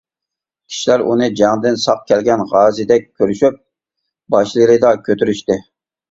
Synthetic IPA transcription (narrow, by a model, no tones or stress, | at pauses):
kʲʰi̥ʃilæɾʔṵnɨd͡ʒæŋd̪ɪnsɑq̚kʲɛlɡʲɛnʁɑːzɨd̪ɛk̚ʲkʲʰːøɾyʃyp̚ | bɑʃlˠɨjɾɨd̪ɑkʲʰøt̪yɾyʃt̪ɪ